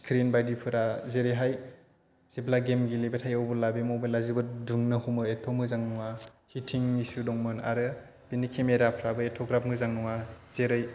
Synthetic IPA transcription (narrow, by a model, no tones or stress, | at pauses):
skʰɾinbajdipʰɯɾazeɾɯjɦaj | z̥iblaɡemɡilebetʰajɔwbɯlabemɔbelazibɯduŋnɯhumɯetʰomɯzaŋnɔŋa | hitʰiŋmisudɔŋmɯna̰ɾɯ | b̥inikʰemeɾapʰɾabɯetʰoɡɾap̚mɯzaŋnɔŋaz̥eɾɯj